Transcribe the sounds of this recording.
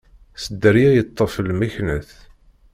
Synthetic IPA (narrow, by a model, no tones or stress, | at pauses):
səd̪ːəɾijæjət̪ˤːəfəlmiçnəθ